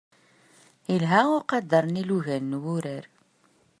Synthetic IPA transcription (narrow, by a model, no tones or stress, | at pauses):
ilɦæʊɾqɑd̪ːɑɾˤniluʝænːwʊɾəɾ